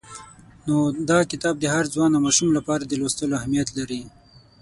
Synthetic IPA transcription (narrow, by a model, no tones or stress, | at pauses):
nod̪ɑkɪt̪ɑb̚d̪əhaɾzwɑnamɑʃumlapɑɾad̪əlost̪əloahmijat̪laɾi